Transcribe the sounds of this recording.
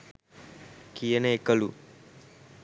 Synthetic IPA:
kijəneekəlṵ

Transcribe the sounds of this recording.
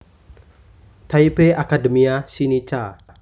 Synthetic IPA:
t̪ʰaipeʔakadəmiasinit͡ʃa

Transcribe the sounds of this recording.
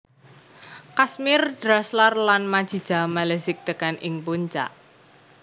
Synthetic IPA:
kasmɪrd̥ɾaslarlanmad̥ʒ̥i̤d̥d͡ʒ̥a̤malɛsɪk̚t̪əkanʔɪŋpuɲt͡ʃa̰ʔ

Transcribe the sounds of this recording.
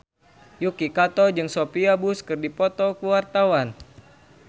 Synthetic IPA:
jukikat̪ɔd͡ʒɨŋsopiabuskɨrdipɔt̪ɔkuwart̪awan

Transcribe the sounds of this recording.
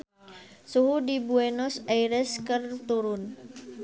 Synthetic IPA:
suɦudibuenɔsaiɾəskərt̪uɾʊn

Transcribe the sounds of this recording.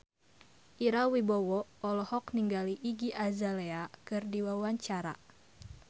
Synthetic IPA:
ʔiɾawibɔwɔʔɔlɔhɔkniŋɡaliʔːɡiʔazaleakɨrdiwawaɲt͡ʃaɾa̰

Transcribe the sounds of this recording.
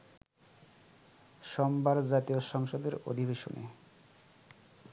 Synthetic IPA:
ʃɔmbaɾd͡ʑat̪ioʃɔŋʃod̪eɾo̰d̪ʱibeʃo̰nḛ

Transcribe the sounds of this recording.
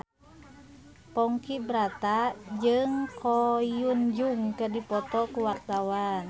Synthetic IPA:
pɔŋkibɾat̪ad͡ʒɨŋkʰɔjund͡ʒuŋkərdipɔt̪ɔkuwak̚t̪awan

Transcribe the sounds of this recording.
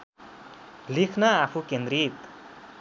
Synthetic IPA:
likʰnaːpʰukend̪ɾit̪

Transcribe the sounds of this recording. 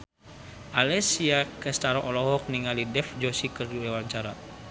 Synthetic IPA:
ʔalɛsiakəst̪aɾɔʔɔlɔɦɔk̚niŋalidɛfd͡ʒɔsikɨrdiwɛwaɲt͡ʃaɾa

